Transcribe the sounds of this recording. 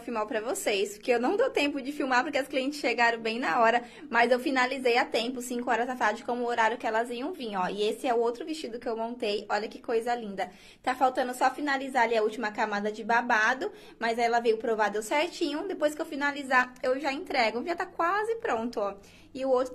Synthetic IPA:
fimawpɾɐvosejspʊɾkeewnɐ̃w̃d̪owt̪ẽmpʊd͡ʒɪfiwmaɾpoɾkeʊskliẽnt͡ʃɪ̥sʃeɡaɾɐ̃w̃bẽj̃nɐɔɾɐ | mɐzewfinalizejat̪ẽmpʊsĩkʊɔɾɐzat̪aɾd͡ʒɪkõmʊoɾaɾjʊkɪɛlɐziɐ̃w̃vĩɲɔɪesɪɛʊowt̪ɾʊvist͡ʃid̪ʊkɪewmõnt̪ejɔʎɐkɪkojzɐlĩnd̪ɐ | t̪afawt̪ɐ̃nd̪ʊsɔfinalizaɾaliɐut͡ʃimɐkamad̪ɐd͡ʒɪbabad̪ʊ | mɐjzaɛlɐvejʊpɾovad̪ewsɛɾt͡ʃĩɲʊ̃d̪epojskɪewfinalizaewʒaẽnt̪ɾɛɡʊ̃vĩɐt̪akwazɪpɾõnt̪ʊɔ | ɪʊowt̪ɾʊ

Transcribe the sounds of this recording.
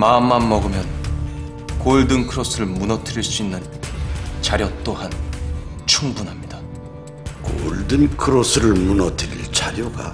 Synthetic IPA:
mamːanmʌɡɯmjʌn | koɭdɯŋkʰɯɾʌs͈ʰɯɾɯɭmunʌtʰɯɾiɭs͈uinːɯn | t͡ɕaɾjʌt͈ohan | t͡ɕʰuŋbunɦamɲid̥a | ko̰ɭdɯnkʰɯɾosʰɯɾɯɭmunʌtʰɯɾiɭt͡ɕaɾjoɡa̰

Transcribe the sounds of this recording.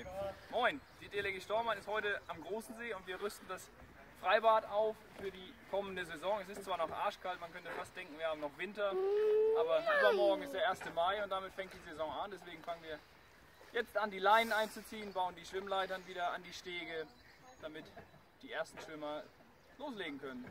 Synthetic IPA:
mɔʏnd̥ideleɡiʃtɔɐmanɪsthɔʏtəʔamɡʁoːsn̩zeːʊntv̥iːɐʁʏstn̩das | fʁ̥aɪbaːtaʊffyːɐdiːkʰɔməndəzezɔŋɛs̬ɪstt͡sv̥aːɐnɔχʔa̰ɐʃkʰaltmankʰœntəfastd̥ɛŋkŋ̩viɐhaːmnɔχv̥ɪntɐʔaːbɐʔyːbɐmɔɐɡŋ̩ɪstd̥eːɐʔeːɐstəmaɪʊnt̚d̥amɪtfɛŋt̚d̥iːzezɔŋandɛsv̥eːɡŋ̩faŋənviːɐ | jɛt͡stʔandiːlaɪnənaɪnt͡sut͡siːənbaʊəndiːʃv̥ɪmlaɪtɐnviːdɐandiːʃteːɡə | d̥amɪt | d̥iːʔeːɐstn̩ʃv̥ɪmɐ | loːsleːɡŋ̩kʰœnən

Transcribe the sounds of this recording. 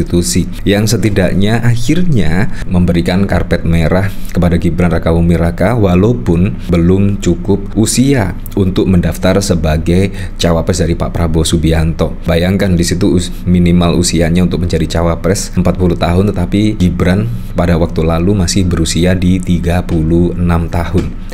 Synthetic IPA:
it̪usi | jaŋsət̪idaʔɲaʔahɪrɲaməmbəɾikanka̰rpɛt̪̚meɾahkəpadaɡibɾanrakamuŋmiɾakawalopʊn | bəlʊmt͡ʃukʊp̚usia | unt̪ʊk̚məndaft̪arsəbaɡaj | t͡ʃawapɾɛsdaɾipa̰pɾabosubiant̪ɔbajaŋkandisit̪u | minimalṵsiaɲaunt̪ʊk̚məɲd͡ʒadit͡ʃawapɾɛsəmpat̪̚puluht̪aɦʊnt̪ət̪apiɡibɾan | padawak̚t̪ulalumasɪhbəɾusiadit̪iɡapuluhənamt̪ahʊn

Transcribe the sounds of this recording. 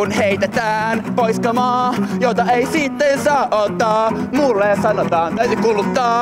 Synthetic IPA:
unheit̪et̪æːnpoiskɑmɑːjot̪ɑeisit̪ːensɑːʔʔot̪ːɑːmuːlːeɑsɑnot̪ɑːnt̪æyt̪ykulut̪ːɑː

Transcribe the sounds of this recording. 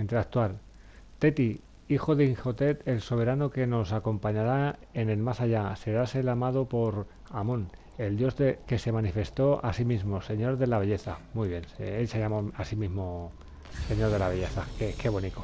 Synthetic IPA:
int̪eɾak̚t̪wal | t̪e̞t̪i | ixo̞ðeiŋxo̞t̪e̞t̪e̞lso̞β̞e̞ɾanoke̞no̞sako̞mpaɲaɾae̞ne̞lmasaʎase̞ɾase̞lamað̞opo̞ɾ | amõn | e̞ld̪jo̞zdeke̞se̞manife̞st̪o̞a̰simizmo̞se̞ɲo̞ɾðe̞laβe̞ʎe̞θamwujβ̞je̞nelsejamoasimizmo̞ | se̞ɲo̞ɾð̞e̞laβe̞ʝe̞θakeke̞β̞o̞niko

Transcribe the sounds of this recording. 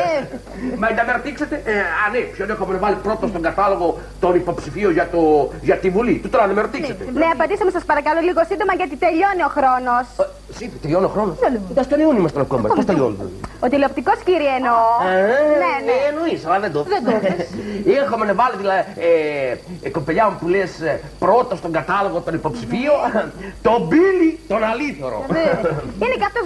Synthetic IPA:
mɐend̪ɐmeɾot̪ikset̪eʔɐnepçonexomenɐvalipɾo̞t̪ost̪o̞ŋɡɐt̪ɐloɣo̞ | t̪o̞nipo̞psifioʝɐt̪oʝɐt̪ivulit̪ut̪onɐnd̪ɐmeɾot̪ikset̪eneɐpɐnd̪isɐmesɐspɐɾɐkɐloliɣosind̪omɐʝɐt̪it̪eʎo̞nioxɾo̞no̞s | sit̪eʎonioxɾo̞nosld̪ɐst̪onionimɐst̪enɐkomɐ̰post̪eʎond̪o̰ot̪ileop̚t̪iko̞sciɾieno | neneːnoisɐlɐðend̪oðed̪o | exomenevɐloðilɐie | kopeʎɐmupules | pɾot̪ost̪o̞ŋɡɐt̪ɐlo̞ɣot̪o̞nipo̞psifiot̪o̞bilit̪onɐliθoɾo̰ | inekɐft̪os

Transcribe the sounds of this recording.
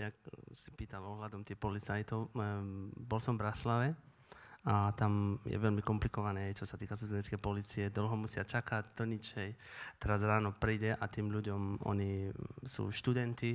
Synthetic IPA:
jak̚si̥piːt̪alɔɦlad̪ɔmt̪iːxpɔlit͡sajt̪ɔʊ | bɔlsɔɱvbɾaslaʋɛ | at̪amjɛ̰ʋɛʎmikɔmplikɔʋanɛːɦɛjt͡ʃɔsat̪iːkasuzɛɲɛt͡skɛjpɔliːt͡siɛd̪l̩ɦɔmusɪat͡ʃakaɟd̪̥ɔɲit͡ʃhɛjt̪ɛɾazɾaːnɔpɾiːɟɛʔat̪iːmʎuɟɔmʔɔ̰ɲisṵːʃt̪ud̪ɛnt̪i

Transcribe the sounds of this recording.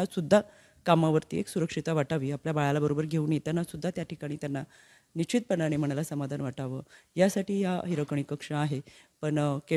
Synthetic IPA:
asud̪ʱːa | kamaʋəɾt̪ḭːeksuɾəkʂit̪aʋaʈaʋiːapljabaɭalabəɾobəɾɡʱeuːnjet̪anːasud̪ʱːat̪jaʈʰikaɽ̃iːt̪janːa | nit͡ɕit̪̚pənaɽ̃im̤əɽ̃alasəmad̪ʱanʋaʈaʋəjasaʈiːjaɦiɾəkəɳ̃ikəkʂəaɦepəɳke

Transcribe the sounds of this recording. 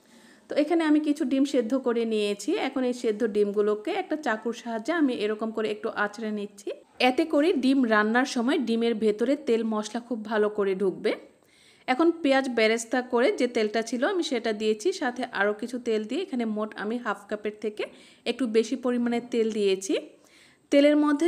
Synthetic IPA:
t̪oekʰaneamikit͡ɕʰuɖimʃed̪ʱːokoɾenijet͡ɕʰiɛkʰonejʃed̪ʱːoɖimɡulokeɛk̚ʈat͡ɕakuɾʃaɦad͡ʑːeamiʔeɾɔkomkoɾeek̚ʈuʔat͡ɕɾenitːɕʰi | ɛt̪ekoɾiɖimɾanːaɾʃɔmɔeɖimeɾbʱet̪oɾet̪elmɔʃlakʰub̚bʱalokoɾeɖʱuk̚be | ɛkʰonpead͡ʑbɛɾest̪ʰakoɾed͡ʑet̪elʈat͡ɕʰiloamiʃeʈad̪ijet͡ɕʰiʃat̪ʰeʔaɾokit͡ɕʰut̪eld̪ieekʰanemoʈa̰miɦapʰkapeɾt̪ʰeke | ek̚ʈubeʃipoɾimanet̪eld̪ijet͡ɕʰi | t̪eleɾmod̪ʱːe

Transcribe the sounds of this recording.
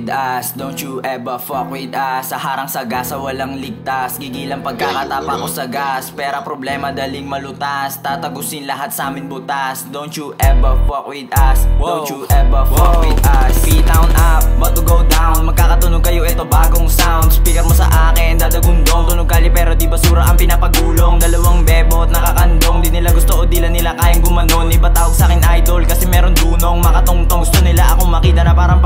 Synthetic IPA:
d̪ɐsd̪ownt͡ʃuʔɛbɐfokwɪd̪ɐsːɐhaːɾɐŋsɐɡasɐwɐlaŋlɪɡ̚t̪asɡiɡiːlɐŋpɐɡ̚kakat̪aːpɐkosɐɡaspɛːɾopɾoblɛːmɐd̪ɐlɪŋmɐlʊt̪ast̪aːt̪ɐɡʊsɪnlɐɦat̪̚sɐʔaːmɪnbʊt̪asd̪ownt͡ʃuʔɛbɐfokwɪd̪ʔɐsuʔɛbɐfokwɪd̪̚ʔɐsit̪awnʔap̚bɐɡ̚t̪ʊɡowd̪awnmɐɡ̚kaːkɐt̪ʊnoɡ̚kɐjoʔɛt̪oba̰ːɡoŋsawnd̪spikɐtmosɐ̰ʔaːkɪnd̪ad̪ɐɡʊnd̪oŋt̪ʊnoɡkaːlɪpɛːɾo̞d̪ibɐsuːɾɐʔɐŋpɪnapɐɡuːlo̞ŋd̪ɐlɐwaŋbɛːbot̪̚nɐkɐkɐnd̪oŋd̪ɪnɪlaɡʊst̪oʔod̪ilanɪlakaːjɐŋɡʊmɐnonɪbat̪aːwoɡ̚saːkɪnʔajd̪o̞lkɐsɛmɛːɾond̪uːnoŋmɐkɐt̪ʊŋt̪oŋɡʊst̪onɪlaʔɐko̞mɐkiːt̪ɐnɐpaːɾɐŋ

